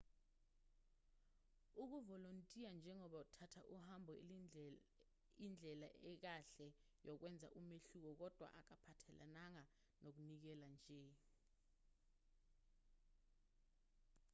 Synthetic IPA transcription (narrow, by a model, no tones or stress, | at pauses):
uk̬uvɔlontʼijand͡ʒʱɛŋɔɓautʰatʰaʔuhambʱɔ | ind͡ɮʱɛlaʔɛk̬aɬɛ | jɔk̬wɛnd͡zʱa̰ʔumeɬuk̬ɔk̬ɔd̥ʱwa̰ʔak̬apʰatʰɛla̰naŋa | nok̬unik̬ɛland͡ʒʱɛ